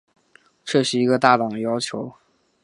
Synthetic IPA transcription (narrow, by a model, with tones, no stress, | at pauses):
ʈ͡ʂʰɤ˥˩ʂɻ̩˥i˧˥ɡə˧t̪a˥˩t̪ɑ˨˩ŋ˩jɑ˥ʊt͡ɕʰjo˧˥ʊ